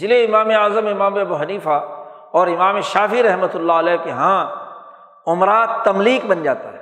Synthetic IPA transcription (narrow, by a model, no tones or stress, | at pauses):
d͡ʒɪleɪmaːmeaːzəmɪmaːmeɐbuɦɐniːfa | ɔːɾɪmaːmeʃaːfiɾɐɦmət̪ʊlːaɐlɛːkeɦãː | ʊmɾaːd̪t̪ːɐmliːk̚bɐnd͡ʒa̰ːt̪a̰ɦɛː